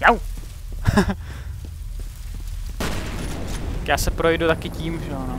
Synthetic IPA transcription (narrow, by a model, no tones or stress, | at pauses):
jaw | kjaːsɛpɾojdut̪akɪciːmʒɛono